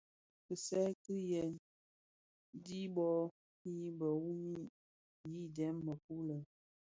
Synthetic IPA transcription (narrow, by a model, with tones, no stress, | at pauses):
pə˨sɛ˦kɨ˦jɛ˨n | di˦bɔ˦ | i˦bə˨wu˦mi˦ | ji˦˨dɛ˨˦mːə˨ku˦lə˨